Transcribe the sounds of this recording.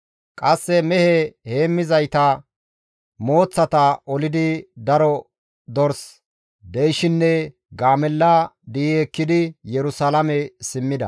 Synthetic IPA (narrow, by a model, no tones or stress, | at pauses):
kʼɐsːɛmɛhɛhe̞ːmːɪzɐjt̪ɐ | mo̞ːt͡sːɐt̪ɐʔɔlɪd̪ɪd̪ɐɾɔ | d̪ɔɾs | d̪ɛjʃɪnːɛ | ɡaːmɛlːad̪iːɛkːɪd̪ɪjɛɾʊsaːlɐmɛsɪmːɪd̪ɐ̰